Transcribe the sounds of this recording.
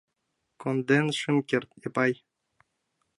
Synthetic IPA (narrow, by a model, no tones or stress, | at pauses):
kond̪enʂɨmkʲert̪jɑpɑj